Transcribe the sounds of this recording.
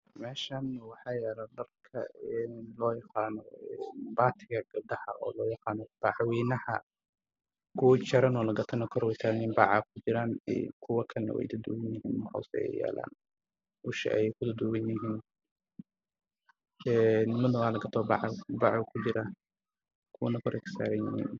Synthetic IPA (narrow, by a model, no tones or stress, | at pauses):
mɛːʃaːnwɑħɑːjɛɾɐd̪ɐrkʰɐ̰ɛnlɔːjɑqɑːnɔɛnbaːt̪ʰɪɣɐɡ̥ɐb̚ɖɐħɐʔɔ̰ːlɔːjɑqɑːnɔb̪̥ɑʕwiːnɐhɐ̰ | ɡ̥uːt͡ʃɐɾɐnɔːlɐɡɐt̪ʰɐnɔkʰɔɾwɛjtʰaːnimbɑːʕaːkʰʊt͡ʃɪɾaːnɛ̰kʰʊwɐkʰɐlnɐ̰wɛ̰jd̪ɐd̪ʊwɐnjɪɦiːnwɑħa̰wsɛɛ̰jɛ̰ːla̰ːn | ʊʃɐ̰ʔɛ̰jɛjkʰʊd̪ɔd̪ʊwɐnjɪɦiːn | ɛːnːmɐðɐwaːlɐɡɐt̪ʰɔbɑ̰ʕbɑʕkʰʊt͡ʃɪɾaː | kʰʊwnɐkʰɔɾɛksa̰ːɾɐnjɪhḭːn